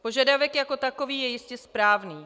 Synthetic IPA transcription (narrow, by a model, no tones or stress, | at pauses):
po̞ʒadavɛkjako̞t̪akoviːjɛjɪscɛspɾaːvniː